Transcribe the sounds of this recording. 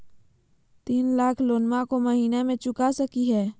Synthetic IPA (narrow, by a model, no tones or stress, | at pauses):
t̪iːnlaːkʰloːnmakoməɦiːnemẽt͡ʃʊkasəkiɦɛː